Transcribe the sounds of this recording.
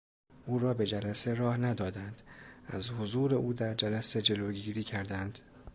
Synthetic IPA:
ʔuːɾɒːbe̞d͡ʒælæse̞ɾɒːhnæd̪ɒːd̪ænd̪̥æzhozuːɾe̞ʔuːd̪æɾd͡ʒælæse̞d͡ʒe̞loːɟiːɾiːcʰæɾd̪ænd̪̥

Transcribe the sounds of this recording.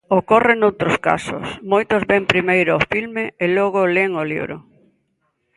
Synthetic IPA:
okorenowt̪ɾʊska̰sʊ̰smojt̪ʊzβempɾimejɾʊofilmeelɔɣoleŋolḭβɾʊ̰

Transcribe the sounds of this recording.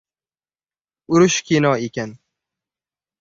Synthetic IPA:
ʊɾʊʃkʲʰenɒekʲan

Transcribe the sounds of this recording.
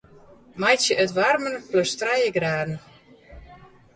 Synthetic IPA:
majsjəʔətʋarmənpløstrajəɡraːdn̩

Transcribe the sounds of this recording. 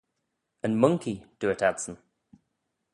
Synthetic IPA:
ə̃nmʌ̃ŋkʰid̥əɪtʰad̥sən̩

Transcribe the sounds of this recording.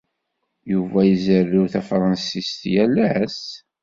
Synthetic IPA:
juvæjəzərːiwθæfɾˤɑnsist̪jælæs

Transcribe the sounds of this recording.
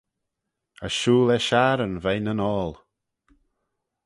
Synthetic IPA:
əʃuːlɛʃaɾənvejnənɔːlˠ

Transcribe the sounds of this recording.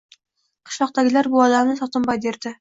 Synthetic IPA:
qʰɨ̥ʃlˠɒqt̪aɡʲɪlaɾbʊɒlamnɪsɒt̪ʰɪmbɒjd̪eɾd̪ɪ

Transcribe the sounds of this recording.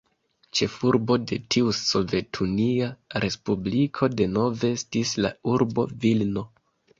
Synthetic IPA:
t͡ʃe̞fuɾbo̞de̞tʰiuso̞ve̞tʰuniaɾʔe̞spublikʰo̞de̞no̞veestisla̰uɾbo̞̰vilno̞

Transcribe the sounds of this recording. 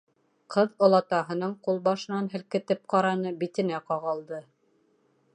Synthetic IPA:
qʰɤðŏlˠɑt̪ɑɦɤ̆nɤɴqulˠbɑʃɤ̆nɑnɦɘ̆lkɘ̆t̪ɘp̚qɑɾɑnɤbit̪ɘ̆næqɑʁɑlˠd̪ɤ

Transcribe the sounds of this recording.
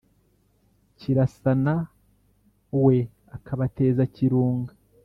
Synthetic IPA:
ciɾasana | we̞ | akaβate̞ːzaciɾuːŋɡa

